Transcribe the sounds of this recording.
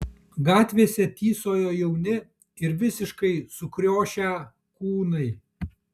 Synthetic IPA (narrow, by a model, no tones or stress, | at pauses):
ɡɑːt̪ʲʋʲeːsʲɛt̪ʲiːsoːjoːjɛʊnʲɪ | ɪɾʋʲɪsʲɪʃkɐɪsʊkɾʲoːʃʲæ | kuːnɐɪ